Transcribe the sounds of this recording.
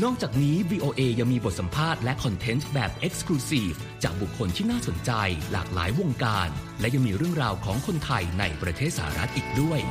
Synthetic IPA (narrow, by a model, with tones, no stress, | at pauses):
nɔː˥˩k̚t͡ɕaː˨˩k̚niː˦˥wiː˧ʔoː˧ʔeː˧ja˧ŋmiː˧bo˨˩t̪̚sa˩˦mpʰaː˥˩t̪̚lɛ˦˥kʰɔ˧nt̪ʰe˦˥nsbɛː˨˩p̚ʔe˦˥k̚skluː˧siː˨˩f | t͡ɕaː˨˩k̚bu˨˩kʰːo˧nt̪ʰiː˥˩naː˥˩so˩˦nt͡ɕa˧jla̰ː˨˩k̚la̰ː˩˦jwo˧ŋkaː˧n | lɛ˦˥ja˧ŋmiː˧ɾɯ˥˩əŋɾaː˧wkʰɔː˩˦ŋkʰo˧nt̪ʰa˧jna˧jpɾa˧t̪ʰeː˥˩t̪̚sa˧ha̰˧ɾa˦˥t̪̚ʔiː˨˩k̚du˥˩əj